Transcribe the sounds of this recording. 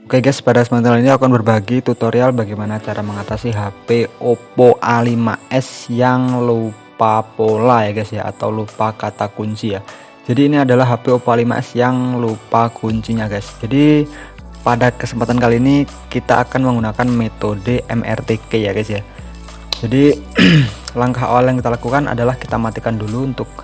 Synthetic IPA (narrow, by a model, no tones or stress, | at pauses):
okeɡaspadasmənt̪aliniakanbərbaɡit̪ut̪oɾialbaɡajmanat͡ʃaɾaməŋat̪asiɦapeopoʔalima̰ʔɛsjaŋlupapolajaɡajsjaa̰t̪awlupakat̪akuɲt͡ʃija | d͡ʒadiːniadalaɦapeopoalima̰ʔɛ̰sjaŋlupakʰuɲt͡ʃiɲaɡajsd͡ʒadi | padakəsəmpat̪ankaliːni | kit̪aʔːkanməŋɡunakanmet̪odeʔɛ̰mɛ̰rt̪ekejaɡasja | d͡ʒadi | laŋkaɦa̰waljaŋkit̪alakukana̰dalahki̥t̪amat̪ikanduluunt̪ʊk̚